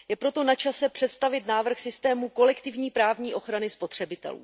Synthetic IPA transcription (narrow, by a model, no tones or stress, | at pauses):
jɛpɾo̞t̪o̞nat͡ʃasɛpr̝̥ɛt̪st̪avɪt̪naːvr̩xsɪst̪ɛːmuko̞lɛkt̪ɪvɲiːpɾaːvɲiːʔo̞xɾanɪspo̞t̪r̝̥ɛbɪt̪ɛ̰lṵː